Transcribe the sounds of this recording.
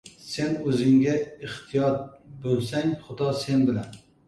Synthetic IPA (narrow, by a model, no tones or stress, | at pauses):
se̞nɵzɪŋɡʲaɪht̪ʰijɒt̪̚bolˠsaŋχʊd̪ɒse̞nbɪlan